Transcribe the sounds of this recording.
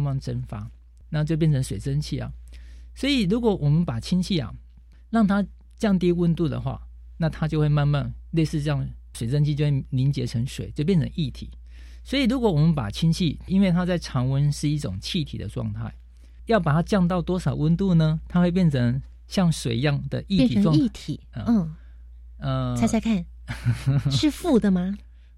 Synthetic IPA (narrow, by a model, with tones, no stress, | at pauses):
ma˥˩nʈ͡ʂə˦nfa˥ | na˥˧t͡ɕjo˥˧ʊp̬jɛ˥˩nt͡sʰə˧˦ŋʂwe˨˩ɪt͡sə˦nt͡ɕʰi˥˩ɐ̰˨˩swɔ˧˥i˨˩ɻu˧˥kwɔ˨˩˦wɔ˨˩mə˨˦npa˨˩t͡ɕʰi˥nt͡ɕʰi˥˩ɐ̰˨˩ | lɑ˥˩ŋt̪ʰa˦˥ | t͡ɕjɑ˥˧ŋt̪ji˥˧wə˥˧nt̪u˥˨˩d̪ə̰˨˩xwa̰˥˩ | na˥˨t̪ʰa˥t͡ɕjo˥˧ʊxwe˥˧ɪma˥˧nma˥˨ŋle˥˧ɪsɹ̩˥˧jɑ˥˩ŋʂwe˨˩ɪt͡sə˥˦nt͡ɕʰi˥˧t͡ɕjo˥˧we˥˩li˧˦nt͡ɕjɛ˧˥ʈ͡ʂʰə˧˦ŋʂwḛ˨˩˦t͡ɕjo˥˧ʊpjɛ˥˩nt͡sʰə̰˧˦ŋʔi˥˩t̪ʰḭ˨˩˦ | swɔ˧˥i˨ɻu˦˥kwɔ˨˦wɔ˨˩mə˦npa̰˨˩t͡ɕʰi˥nt͡ɕʰi˥˩i˥nwe˥˩ɪt̪ʰa˦˥t͡sa˥˩ɪʈ͡ʂʰɑ˧˥ŋwə˦˥nʂɻ̩˥˧i˥˩ʈ͡ʂʊ˨˩ŋt͡ɕʰi˥˩t̪ʰḭ˨˩d̪ə̰˦ʈ͡ʂwɑ̰˥˧ŋt̪ʰa̰˥˩ɪ | jɑ˥˩ʊpa˨˩t̪ʰa˥t͡ɕjɑ˥˧ŋt̪ɑ˥˩ʊt̪wɔ˥ʂɑ˨˩ʊwə˥nt̪u˥˩nə˨t̪ʰa˥xwe˥˧ɪp̬jɛ˥˩nʈ͡ʂʰə˧˦ŋ | ɕjɑ˥˩ŋʂwe˨˩ɪjɑ˥˩ŋd̪ə̰˨ʔi˥˧˥i˥˩t̪ʰi˨˩˦ə˥˩˥ | ə˧a˧˥ɪt͡sa˧˥ɪkʰa˥˩n | ʂɻ̩˥˧fu˥˩d̪ə˨ma˨